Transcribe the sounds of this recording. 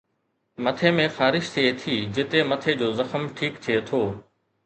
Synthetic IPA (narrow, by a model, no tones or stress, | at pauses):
mɐt̪ʰemẽxaːɾɪʃt̪ʰiet̪ʰiːd͡ʑɪt̪emɐt̪ʰed͡ʑoːzɐxəmʈʰiːkt̪ʰiet̪ʰoː